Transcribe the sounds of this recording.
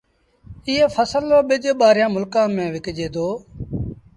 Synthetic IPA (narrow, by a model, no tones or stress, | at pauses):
ɪːeːfʰəsəlːoːɓɪd͡ʒɓaːɾjãːmʊlkãːmẽːʋɪkd͡ʒeːd̪oː